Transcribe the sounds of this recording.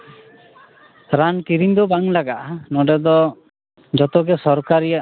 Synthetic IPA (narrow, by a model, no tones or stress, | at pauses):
ɾankiɾind̪ɔbaŋlaɡaʔnɔɖɛd̪ɔ | d͡ʒɔt̪ɔɡɛsɔɾkaɾia